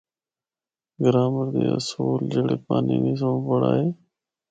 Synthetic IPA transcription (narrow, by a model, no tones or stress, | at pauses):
ɡəɾaːməɾd̪eːə̰soːld͡ʒeːɽeːpaːniːniːs̬əmõːpəɽa̰ːɦeː